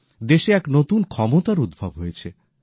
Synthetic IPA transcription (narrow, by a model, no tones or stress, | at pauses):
d̪eʃeɛknot̪unkʰɔmot̪aɾud̪̚bʱabɦojet͡ɕʰe